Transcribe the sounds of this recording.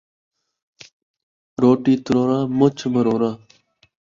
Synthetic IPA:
ɾoːʈiːt̪ɾoːɾãːmʊt͡ʃʰməɾoːɾãː

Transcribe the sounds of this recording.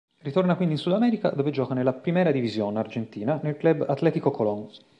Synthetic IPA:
rit̪ornakwind̪insud̪amɛːɾika̰d̪oːved͡ʒɔːkanelːapɾimɛːɾad̪ivizjonard͡ʒent̪iːnanelklɛbat̪lɛːt̪ikokoloŋ

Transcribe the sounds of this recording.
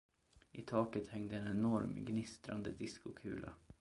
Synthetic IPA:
ʔɪt̪ʰɑːkət̪hɛŋd̪əɛːnɛnɔɾmɡnɪst̪ɾa̰nd̪əd̪ɪskʊkʰʉːlʔa̰

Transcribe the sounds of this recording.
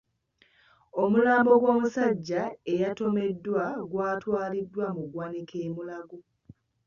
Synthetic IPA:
o̞mulaːmbo̞ɡwo̞ːmusaɟːaejato̞me̞dːwaɡwaːtwaːlidːwamuɡwanikʰe̞ːmulaɡo

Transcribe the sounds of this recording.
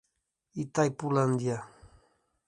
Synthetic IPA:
it̪ajpuland̪ja

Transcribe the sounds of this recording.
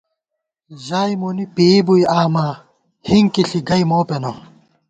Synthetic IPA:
ʑaːjmunipiːbujaːmaː | hiŋkiɬiɡɐjmoːpeno

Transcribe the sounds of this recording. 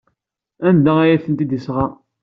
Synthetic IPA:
ænd̪ææjæθənt̪id̪isʁɑ

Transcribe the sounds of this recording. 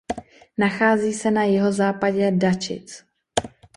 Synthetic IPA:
naxaːziːsɛnajɪɦo̞zaːpaɟɛdat͡ʃɪ̰t͡s

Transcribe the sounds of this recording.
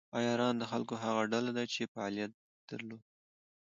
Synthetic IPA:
ɑjɑɾɑnd̪əxalkoɦaɣaɖalad̪at͡ʃefaɑlijat̪̚ | d̪̥əɾlod̪

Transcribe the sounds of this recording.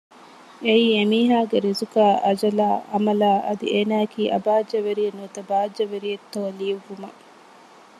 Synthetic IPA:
eiːemiːɦaːɡeɾizukaːʔɐd͡ʒɐlaːɐmɐlaːʔɐd̪ḭeːnaːkiːʔɐbaːd͡ʒɐʋeɾijenːut̪ɐbaːd͡ʒːɐʋeɾijet̪ːoːliːʋumɐ

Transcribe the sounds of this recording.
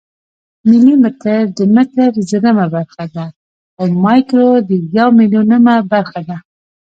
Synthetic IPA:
mɪlimɪt̪əɾd̪əmɪt̪əɾzəɾəmabaɾxad̪a | awmɑjkɾod̪əjawmiljunəmabaɾxad̪a

